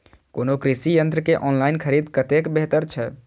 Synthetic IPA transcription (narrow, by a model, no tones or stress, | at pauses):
koːnokɾisijə̃nt̪ɾəkeʔɔːnlaːɪnkʰəɾiːd̪kət̪ekbeɦt̪əɾt͡ʃʰɛ